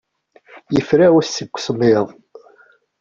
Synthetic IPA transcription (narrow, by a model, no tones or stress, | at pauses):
jəfɾæwæsːəɡʷːsmɪðˤ